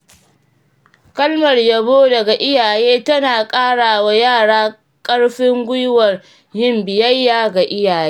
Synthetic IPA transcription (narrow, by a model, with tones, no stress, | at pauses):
kɐ˦lmɐ˨rjɐ˨boː˦dɐ˨ɡa˨ʔɪ˦jaː˨jeː˦tɐ˦naː˨kʼaː˦ɽaː˨wa˦jaː˦˨ɽaː˦ | kʼɐ˦ɽɸɪ˦ŋɡʷʊ˦jʊ˦wɐ˨r | jɪ˦mbɪ˨jɐ˦jːaː˨ɡa˨ʔɪ˦jaː˨jeː˦